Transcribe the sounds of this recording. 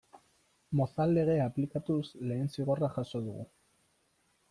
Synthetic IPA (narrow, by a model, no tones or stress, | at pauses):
moθald̪e̞ɣe̞aplikat̪usle̞ːnsiɣ̞oraxaso̞ðuɣṵ